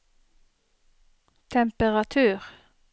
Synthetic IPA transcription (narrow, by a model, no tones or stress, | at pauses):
t̪ʰɛmpəʁɑt̪ʰʉːʁ